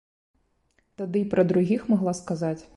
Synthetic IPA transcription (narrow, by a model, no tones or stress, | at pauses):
t̪ad̪ɨpɾɐd̪ɾuɣʲixmaɣlˠaskazat͡sʲ